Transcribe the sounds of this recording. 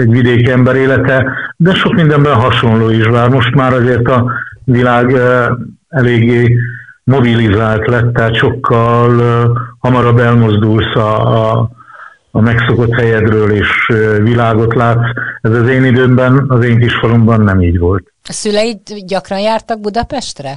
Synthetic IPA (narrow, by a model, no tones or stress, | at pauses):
ɛɟʋid̪eːkɛmbɛɾeːlɛt̪ɛd̪ɛʃo̞kmind̪ɛmbɛnɦɒʃo̞nloːiʃbaːrmo̞ʃt̪maːɾɒzeːrt̪ɒvilaːɡ | ɛleːɡːeːmo̞bilizaːlt̪lɛt̪ːɛat̪ʃo̞kʰːɒlhɒmɒɾɒbːɛlmo̞zd̪ulsɒ | mɛkso̞ko̞t̪hɛjɛd̪røːleːʃvilaːɡo̞t̪laːt̪sɛzɒzeːnid̪øːmbɛnɒzeːŋkiʃfɒlumbɒnːɛmiːɟʋo̞lt̪ɒsylɛjit̪ɟɒkrɒnjaːrt̪ɒɡ̚bud̪ɒpɛʃt̪rɛ